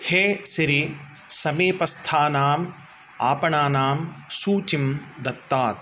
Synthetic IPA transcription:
heːsiɾi | sɐmiːpɐst̪ʰaːnaːm | a̰ːpɐɳaːnaːmsuːt͡ʃimd̪ɐt̪ːaːt̪̚

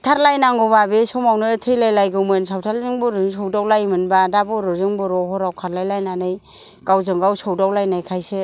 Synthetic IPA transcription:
tʰaɾlajnaŋɡɔbabesɔmawnɯtʰɯjlajlajɡɯmɯnsawtʰalzɯŋbuɾɯŋsɔwdawlajmɯnbadabɔɾɯzɯŋbɔɾɔɦɔɾawkʰaɾlajlajnanɯj | ɡ̥awzɯŋɡawsɔwdawlajnajkʰajse

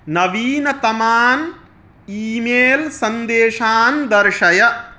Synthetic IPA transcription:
nɐʋiːnɐt̪ɐmaːn | iːmeːlsɐnd̪eːʂaːnd̪ɐɾʂɐjɐ

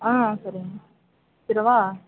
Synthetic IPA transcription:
ãːsɐɾi | tɪɾɐʋaː

